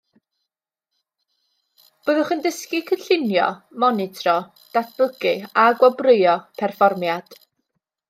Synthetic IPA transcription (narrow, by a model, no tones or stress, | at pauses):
b̥oːðʊχəndəskikʰənɬɪnjɔ̰mɔnɪtʰrɔ | d̥at̚ʰb̥ʊɡɨaɡwɔbrɪjɔpʰɛrfɔrmjad̥